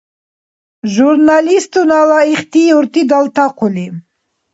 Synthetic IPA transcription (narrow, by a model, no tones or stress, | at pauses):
ʒuɾnalist̪unawaiχt̪ijoɾt̪id̪alt̪aqʰuli